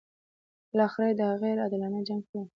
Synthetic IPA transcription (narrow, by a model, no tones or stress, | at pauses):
blɑxɪɾajed̪əhaɣeɾad̪ɪlɑnad͡ʒaŋɡka